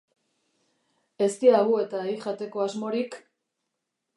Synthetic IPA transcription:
e̞st̪iaɣue̞t̪aeiʝat̪e̞ko̞azmo̞ɾik

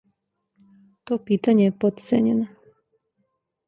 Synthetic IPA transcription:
t̪oːpiːt̪aɲejepot̪t̪sḛɲeno

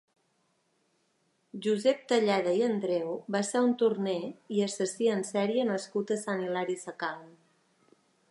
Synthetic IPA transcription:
ʒuzɛp̚t̪əʎɛðəiənd̪ɾɛwβaseunt̪urnɛiəsəsiənsɛɾiənəskut̪əsanilaɾisəkal

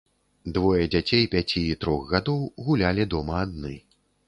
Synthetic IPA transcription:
d̪vɔjɐd͡zʲat͡sʲejpʲat͡sʲiːt̪ɾɔɣɣad̪ɔwɣulʲalʲid̪ɔmɐːd̪nɨ

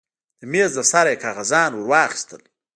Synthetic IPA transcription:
d̪əmeːzd̪əsaɾejkɑːɣazɑːnwʊɾwɑːxɪ̥st̪əl

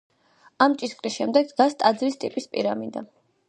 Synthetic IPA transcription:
amt͡ʃʼisqʼɾisʃɛmd̪ɛɡ̪ɡast̪ʼad̪zɾist̪ʼipʼispʼḭɾamind̪a̰

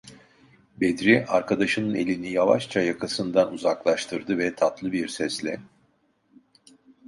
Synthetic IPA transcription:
bed̪ɾiʔaɾkʰad̪aʃɯnɯne̞lʲinijava̰ʃt͡ʃʰajakʰasɯnd̪anuzaklˠaʃt̪ʰɯɾd̪ɯvɛt̪ʰat̪lˠɯbiɾsɛslʲɛ̰

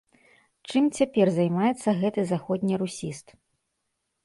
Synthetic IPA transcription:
t͡ʂɨmt͡sʲapʲɛrzajmajɛt̪sːɐɣɛt̪ɨzaxɔd̪ʲnʲiɾusʲist̪

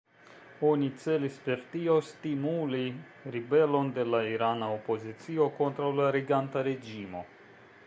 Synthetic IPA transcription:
o̞nit͡se̞lispe̞ɾtio̞stimuli | ɾibe̞lo̞nde̞laiɾanaopo̞zit͡sio̞ko̞ntɾawlaɾiɡantaɾe̞d͡ʒimo̞

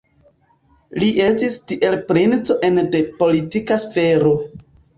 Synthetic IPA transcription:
liʔe̞stistiʔe̞lpɾint͡so̞ʔe̞nde̞po̞litikasfe̞ɾo̞

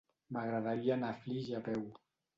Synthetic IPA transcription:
maɣɾaðaɾianafliʒapɛw

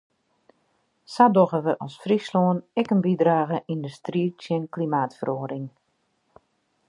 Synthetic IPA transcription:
sadoɣəʋəʔɔsfrisloːnɛkənbidraːɣəʔindəstriːtjɪnklimaːtfəroːdɪŋ

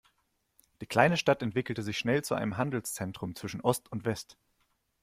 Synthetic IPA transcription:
d̥iːkl̥aɪnəʃtatɛntv̥ɪkl̩təzɪçʃnɛlt͡suʔa̰ɪnəmɦandl̩st͡sɛntʁ̥ʊmt͡sv̥ɪʃn̩ʔɔstʊntv̥ɛst

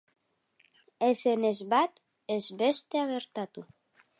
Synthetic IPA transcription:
esenezβat̪ | ezβest̪e̞aɣeɾt̪at̪u

